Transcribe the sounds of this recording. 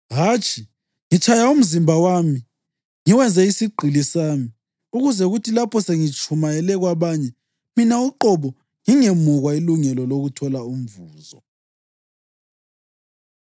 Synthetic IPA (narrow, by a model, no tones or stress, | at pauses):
ɦaːt͡ʃʰʼi | ŋit͡ʃʰʼajaum̩zimbʱawami | ŋiwɛnd͡zʱɛisiɡ͡ǃʱilisaːmi | uɣuzɛuɣutʰilapʰɔseŋit͡ʃʼʰumajɛlɛɣwaβaɲɛ | minauǃɔβɔ | ŋiŋemuɣwailuŋɛlɔloɣutʰɔlaum̩vuːzɔ